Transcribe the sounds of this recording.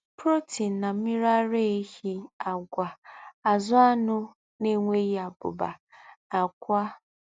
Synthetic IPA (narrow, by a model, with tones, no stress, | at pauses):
pɾo˦ti˨n˨na˨m̩˦mi˦ɾa˦ɾe˦e˦hi˦a˨ɡʷa˨a˨zʊ˦a˦nʊ˦ | ne˦ŋʷe˦ji˦a˨bʊ̰˨ba̰˨a˨kʷa˦